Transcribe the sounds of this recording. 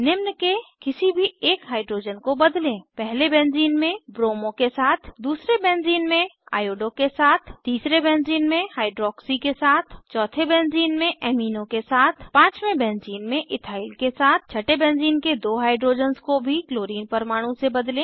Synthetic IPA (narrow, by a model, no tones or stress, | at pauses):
nɪmnəkekɪsibʱieːkɦaːɪɖɾoːd͡ʒənkobɐd̪lẽːpɛɦlebɛ̃ːnziːnmẽbɾoːmõkesaːt̪ʰd̪uːsɾebɛ̃ːnziːnmẽa̰ːjoːɖõkesaːt̪ʰt̪iːsɾebɛ̃ːnziːnmẽhaːɪɖɾɔːksikesaːt̪ʰt͡ʃɔːt̪ʰebɛ̃ːnziːnmẽʔɛːmiːnõkesaːt̪ʰpãːt͡ʃmẽbɛ̃ːnziːnmẽʔɪt̪ʰaːɪlkesaːt̪̚ʰt͡ʃʰɐʈebɛ̃ːnziːnked̪oːɦaːɪɖɾoːd͡ʒənzkobʱikloːɾiːnpəɾmaːɽ̃ũsebəd̪lẽː